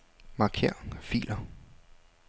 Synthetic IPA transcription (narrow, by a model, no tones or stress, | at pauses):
mɑ̈kʰeɐ̰fḭːlɐ